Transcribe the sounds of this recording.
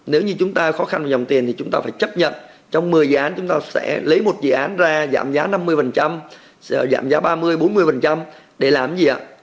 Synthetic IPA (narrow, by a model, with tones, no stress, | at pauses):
ne˨˦wɲɨ˧t͡ɕʊ˨˦ŋ͡mt̪aː˧xɔ˨˦xa˧nva˨˩zɔ˨˩wŋ͡mt̪i˨˩ənt̪ʰi˨˩t͡ɕʊ˨˦ŋ͡mt̪aː˧faː˧˩jt͡ɕə˦˥p̚ɲə̰˧˨n | t͡ɕɔ˧wŋ͡mmɨ˨˩əjzɨ̰˧˨ʔaː˨˦nt͡ɕʊ˨˦ŋ͡mt̪aː˧sɛ̰˧˥lə˨˦jmo˨˩t̚zɨ̰˧˨ʔaː˨˦nzaː˧za̰ː˧˩mzaː˨˦na˧mːɨ˧əjfə˨˩nt͡ɕa˧m˧˨ | za̰ː˧˨mzaː˨˦ɓaː˧mɨ˧əjɓo˨˦nmɨ˧əjfə˨˩nt͡ɕa˧m | ɗe˧˩laː˨˩mzi˨˩ʔa̰ː˧˨